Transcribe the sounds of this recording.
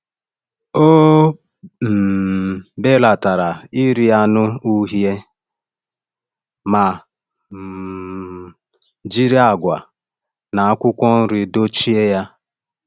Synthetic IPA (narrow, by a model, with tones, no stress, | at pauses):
o˦ | m̩˨ | be˦la˨ta˨ɾa˨ɪ˦ɾi˦ja˦nʊ˦u˦ɦje˦ | ma˨ | d͡ʒi˦ɾi˦a˦˨ɡʷa̰˨ | na˨a˦kʷʊ˦kʷɔ˦n̩˦ɾɪ˦do˦t͡ʃi˦e˦ja˦